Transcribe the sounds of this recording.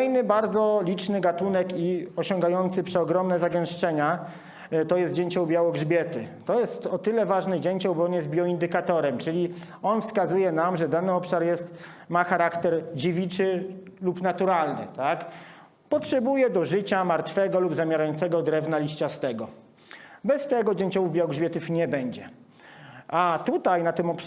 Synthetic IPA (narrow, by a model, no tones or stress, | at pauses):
jnɘbaɾd̪zɔlʲit͡ʂnɘɡat̪unɛkiɔɕɔ̃ŋɡajɔnt̪sɘpʂɛɔɡɾɔmnɛzaɡɛ̃w̃ʂt͡ʂɛɲa | t̪ɔjɛst̪̚d͡ʑeɲt͡ɕɔ̃w̃bʲjawɔɡʐbʲjɛt̪ɘt̪ɔjɛst̪ɔt̪ɘlɛvaʐnɛd͡ʑeɲt͡ɕɔ̃w̃bɔɔnjɛst̪̚bʲjɔind̪ɘkat̪ɔɾɛmt͡ʂɘlʲi | ɔnfskazujɛnamʐɛd̪anɘɔpʂaɾjɛst̪ | maxaɾakt̪ɛɾd͡ʑivʲit͡ʂɘlupnat̪uɾalnɘ̰t̪ak | pɔtʂɛbujɛd̪ɔʐɘt͡ɕamaɾt̪fɛɡɔlubzamʲjaɾajɔnt̪sɛɡɔd̪ɾɛvnalʲiɕt͡ɕast̪ɛɡɔ | bɛst̪ɛɡɔd͡ʑɛɲt͡ɕɔwuvbʲjawɔɡʐbʲɛt̪ufɲɛbɛɲd͡ʑɛ | ʔat̪ut̪ajnat̪ɘmɔpʂ